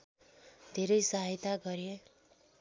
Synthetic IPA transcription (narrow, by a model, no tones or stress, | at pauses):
d̪ʱeɾʌjsaɦit̪aɡʌɾje